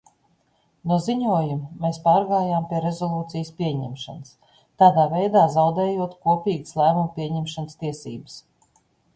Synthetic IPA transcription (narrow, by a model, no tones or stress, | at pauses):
nuɔziɲuɔjumːeːspɑːɾɡaːjaːmpiɛɾezɔlˠuːt̪sijspʲiɛɲɛ̰mʃa̰nəs | t̪aːd̪aːvɛjd̪aːzawd̪ɛːjuɔt̪kuɔpʲiːɡslˠæːmumpʲiɛɲɛmʃanst̪iɛsiːbɨs